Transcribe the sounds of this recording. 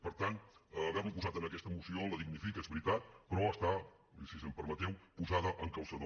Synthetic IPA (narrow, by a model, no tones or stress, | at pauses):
pəɾt̪anːβɛβəmpuzat̪ənəkɛst̪əmusioləðiɡnifikezβɾit̪at̪̚pɾɔəst̪a | isisəmpəɾmət̪ɛwpuzaðəʔəŋkawsəð